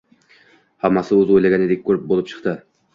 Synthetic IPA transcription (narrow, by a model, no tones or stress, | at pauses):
hamːɑsɪɵzojlaɡʲænɪd̪ek̚ʲʰːɵɾp̚bolˠɪp̚t͡ʃʰɨ̥qt̪ɨ